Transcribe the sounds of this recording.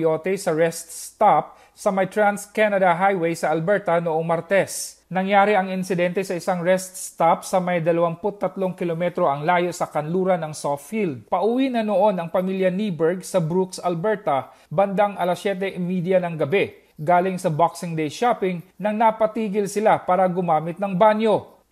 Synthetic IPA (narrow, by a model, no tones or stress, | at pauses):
oːt̪ɛsɐɹɛst̪st̪ap̚ | sɐmɐjt̪ɹanskanɐd̪ɐɦajwɛjsɐʔɐlbɛɹt̪ɐnoʔoŋmɐɾt̪ɛsnɐŋjaːɾɪʔɐŋɪnsɪd̪ɛnt̪ɛsɐʔɪsaŋɹɛst̪st̪ap̚sɐmɐjd̪ɐlɐwaŋpʊt̪ːɐt̪lo̞ŋkɪlomɛt̪ɾo̞ʔɐŋlaːjo̞sɐkɐnluːɾɐnɐŋsot̪fild̪̚pɐʔʊwinɐnoʔo̞nɐŋpɐmiljɐnibɛɹɡsɐbɾuksɐlbɛɹt̪ɐ | bɐnd̪aŋʔɐlɐsjɛːt̪̬ɛʔmiːd̪jɐnɐŋɡɐbɛ | ɡaːlɪŋsɐbaksɪŋd̪ɛjʃapɪŋnɐŋnɐpɐt̪iːɡɪlsɪlapaːɾɐɡʊmaːmɪt̪̚nɐŋbanjo̞